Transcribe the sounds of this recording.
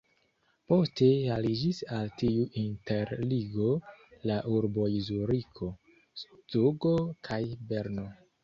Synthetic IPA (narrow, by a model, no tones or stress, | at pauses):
po̞ste̞alid͡ʒisaltiuʔinte̞ɾliɡo̞laʔuɾbo̞izuɾikʰo̞ | stuɡo̞kʰajbe̞ɾno̞